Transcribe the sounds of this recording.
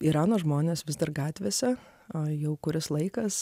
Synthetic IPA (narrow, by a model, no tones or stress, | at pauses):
iːɾɑːnoːʒmoːnʲeːsʋʲɪzd̪ɐrɡɑːt̪ʲʋʲeːsʲɛ | jɛʊkʊɾʲɪslˠɐɪkɐs